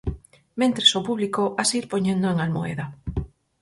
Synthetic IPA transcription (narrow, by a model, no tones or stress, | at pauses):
mẽnt̪ɾesopuβlikoasiɾpoɲẽnd̪oeŋalmoḛða